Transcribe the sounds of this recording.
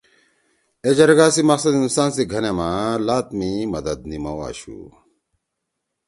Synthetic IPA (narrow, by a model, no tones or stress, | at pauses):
ed͡ʑɐɾɡaːsimɐqsɐd̪insaːnsiɡʱɐnemalaːt̪mimɐd̪ɐd̪̚nimɐwa̰ːɕṵ